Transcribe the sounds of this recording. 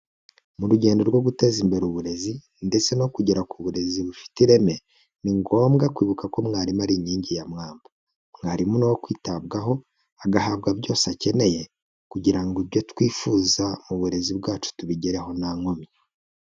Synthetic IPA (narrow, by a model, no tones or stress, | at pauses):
muɾuɟe̞ːndo̞ɾɡwo̞ɡute̞zimbe̞ɾuβuɾe̞zi | nde̞t͡se̞no̞kuɟeɾakuβuɾe̞ziβufi̥tiɾe̞me̞ | niŋɡo̞ːmɡakwiːβukako̞mŋaːɾimaɾiɲiːɲɟijamŋaːmba | mŋaːɾimunowokwiːtab̚ɡaɦo̞ | aɡahaːb̚ɡabɟo̞ːsace̞ne̞je̞ | kuɟiɾaŋɡibjo̞twiːfuːzamuβuɾe̞zibɡaːt͡ʃu̥tuβiɟeɾe̞ɦo̞naŋomi